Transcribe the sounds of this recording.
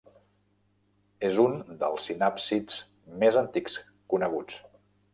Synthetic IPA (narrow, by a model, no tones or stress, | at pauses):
ezund̪ə̰lˠsinapsid͡z | mezənt̪iks | kunəɣ̞ut͡s